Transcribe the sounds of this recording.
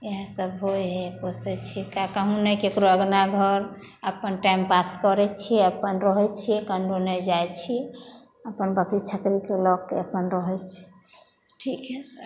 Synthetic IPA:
eɦãsəbɦojɦeposɛt͡ʃʰikakəɦũnɛkekɾoəɡnaɡʱəɾ | əpənʈaimpaskɔɾɛt͡ʃʰiɛəpənɾɔɦɛt͡ʃʰiɛkəɳɖonɛd͡ʒajt͡ʃʰi | əpənbəkɾit͡ʃʰəkɾikelɔkːeəpənɾəɦɛt͡ʃʰi̥ | ʈʰikɦɛsəɾ

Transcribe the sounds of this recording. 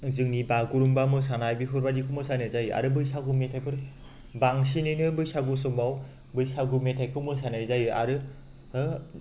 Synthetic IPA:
zɯŋnibaɡuɾuŋbamɯsanajbipʰɯɾbadikʰɯmɯsanajzajɯa̰ɾɯbɯjsaɡumetʰajpʰɯɾ | baŋsinɯnɯbɯjsaɡus̬ɯmaw | bɯjsaɡumetʰajkʰɯmɯsanajzajɯa̰ɾɯ | ɯ

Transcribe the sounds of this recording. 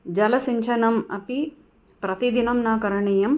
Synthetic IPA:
d͡ʒɐlɐsiɲt͡ʃʰɐnɐmɐ̰pi | pɾɐt̪id̪inɐmnaːkɐɾɐɳejɐm

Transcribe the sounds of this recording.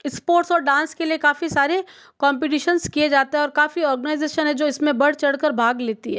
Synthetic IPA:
ɪspoːɾʈsɔːɾɖãːnskeliekaːfisaːɾe | kɔ̃ːmp̬ɪʈiːʃənskied͡ʒaːt̪eɦɛɔːɾkaːfiɔːɾɡənaːɪzeːʃənɦɛ̃d͡ʒoːɪsmẽbɐɽ̤t͡ʃɐɽkəɾbʱaːɡleːt̪iɦɛː

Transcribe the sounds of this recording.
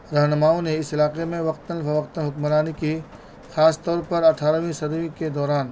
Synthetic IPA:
ɾɐɦnəmaːõneɪsɪlaːqemẽʋɐq̚t̪ənfɐʋɐqt̪ənɦʊkmɾaːniki | xaːst̪ɔːɾpɐɾɐʈʰaːɾʋĩsɐd̪ʋĩked̪ɔːɾaːn

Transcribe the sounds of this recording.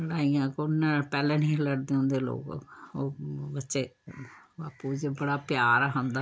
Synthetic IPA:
əɽaːiːjãːkonːɛ̃pɛːlɛ̃ːnĩːləɾd̪eːõːnd̪eːlo̰ːkoːbətːʃeː | baːpuːd͡ʒbəɽaːpjaːɾaɦõnd̪aː

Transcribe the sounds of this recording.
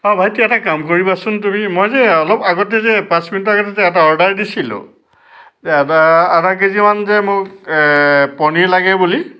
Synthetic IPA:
ɔ̃bʱajtiɛtakamkoɹibasʊntumimɔjzɛɔlɔpaɡɔtɛzɛpãsminutaɡɔt̬ɛzɛɛt̬aɔɹdaɹdisilʊ̰ | aatakezimanzɛmʊk | pɔnilaɡɛbuli

